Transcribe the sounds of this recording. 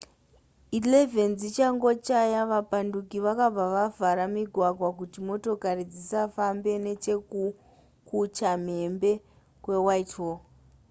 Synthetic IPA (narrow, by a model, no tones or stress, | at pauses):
ileve̞nd͡zit͡ʃaŋɡo̞t͡ʃajaʋapandukiʋakab͡vaʋavʱaɾamiɡʱwaɡʱwakutimo̞to̞karid͡zisafambe̞ne̞t͡ʃe̞ku | kut͡ʃam̤e̞mbe̞ | kwe̞waito